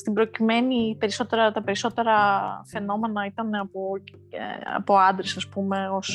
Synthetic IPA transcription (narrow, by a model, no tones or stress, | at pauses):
st̪ibɾo̞cime̞nipe̞ɾiso̞t̪e̞ɾɐt̪ɐpe̞ɾiso̞t̪e̞ɾɐfe̞no̞me̞nɐit̪ɐne̞ɐpo̰ | ɐ̰po̞ɐnd̪ɾesɐspume̞o̞s